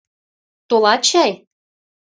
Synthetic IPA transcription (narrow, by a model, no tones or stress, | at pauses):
t̪olɑt͡ɕæj